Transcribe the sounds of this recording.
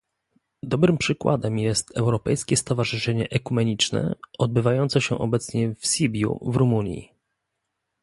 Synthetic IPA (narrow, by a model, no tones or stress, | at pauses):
d̪ɔbɾɘmpʂɘkwa̰d̪ɛmjɛst̪ɛwɾɔpɛjskʲɛst̪ɔvaʐɘʂɛɲɛʔɛkumɛɲit͡ʂnɛ̰ɔd̪̚bɘvajɔnt̪sɔɕɛʔɔ̰bɛt̪sɲɛfsʲibʲjṵvɾumuɲjḭ